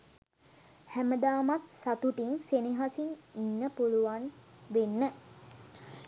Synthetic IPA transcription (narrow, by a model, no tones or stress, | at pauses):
hæməd̪aːmat̪sat̪uʈiŋseniɦasiŋinːəpuluʋan | ʋenːə